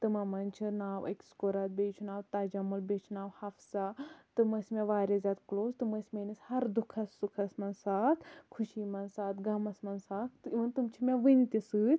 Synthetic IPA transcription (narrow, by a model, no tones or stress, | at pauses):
t̪ɨmɐmɐnʲt͡ʃʰinaːwɐ̰kʲskoɾɐt̪̚bʲeːt͡ʃʰunaːwt̪ad͡ʒɐmɐlbet͡ʃʰnaːwhafsat̪ɨmɐsʲmeʋaːɾʲɐzʲaːd̪kloːzt̪ɨmɐsʲmenishɐɾd̪ukʰɐsːukʰɐsmɐnsaːt̪ʰkʰuʃimɐnsaːt̪ɡɐmɐsmɐnsaːt̪t̪ɨiʋɐnt̪ɨmt͡ʃʰimeʋɨnit̪ʲisɨːt̪ʲ